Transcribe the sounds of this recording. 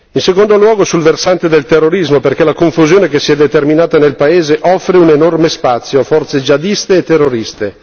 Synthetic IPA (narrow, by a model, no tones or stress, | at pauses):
insekond̪olwɔːɡosulversant̪ed̪elt̪erːoɾizmoperkɛlakoɱfuzjoːnekesiɛd̪et̪erminaːt̪anelpaeːzeʔɔfːɾeunenormespat̪sːjoafɔrt̪sed͡ʒad̪ist̪eːt̪ːerːoɾist̪e